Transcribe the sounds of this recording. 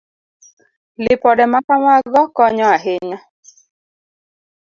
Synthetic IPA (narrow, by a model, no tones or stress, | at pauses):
lɪpɔdɛmakamaɡɔkɔɲɔaɦeɲa